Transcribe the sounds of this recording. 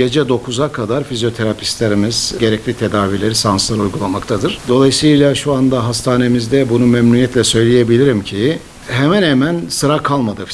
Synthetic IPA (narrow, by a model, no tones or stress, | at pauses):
e̞d͡ʒɛd̪o̞kʰuzakʰad̪aɾfizjo̞t̪ʰe̞ɾapʰi̥st̪lʲeɾimiz̥ɟe̞ɾɛclʲit̪ʰe̞d̪aːvilʲe̞ɾisanslˠaɾujɡulˠamakt̪ʰad̪ɯɾ̥d̪o̞lˠajɯsɯjlˠaʃuand̪aɦast̪ʰaːne̞mizd̪ɛbunumɛmnunjɛt̪lʲɛsø̞jlʲejebilʲiɾimcʰi | ɦemænhemænsɯɾakʰalˠmad̪ɯf